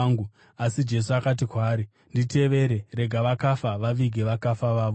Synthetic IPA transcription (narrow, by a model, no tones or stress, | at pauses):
ŋɡu | asid͡ʒe̞s̬uakat̬ikwaːɾi | ndite̞ʋe̞ɾe̞re̞ɡʱaʋakafaʋaʋiɡʱeʋakafaʋaːʋo